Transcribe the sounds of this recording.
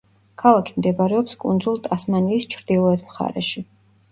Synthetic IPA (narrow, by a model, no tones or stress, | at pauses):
kʰalˠakʰimd̪ɛbaɾɛɔpskʼund̪zulˠt̪ʼasmaniːst͡ʃʰɾd̪̥ilˠɔɛt̪ʰmχa̰ɾɛ̰ʃi